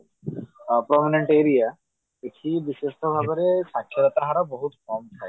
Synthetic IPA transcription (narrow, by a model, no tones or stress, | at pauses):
pɾɔmineɳʈeɾija | eʈʰibiʃeʃʈobʱabeɾeʃakʰːjeɾɔt̪aɦaɾaboɦut̪kɔmt̪ʰae